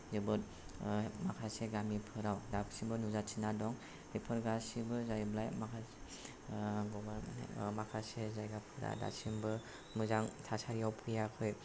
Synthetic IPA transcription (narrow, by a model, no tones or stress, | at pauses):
zɯbɔt̚ | makʰaseɡamipʰɯɾawdabsibɯnuzat͡ʃʰinadɔŋ | ipʰɯɾɡasibɯzajblajmakʰa | ɡɔbaɾ̰makʰasezajɡapʰɯɾa̰da̰simbɯ | mɯzaŋtʰasaɾijawpʰɯjakʰɔj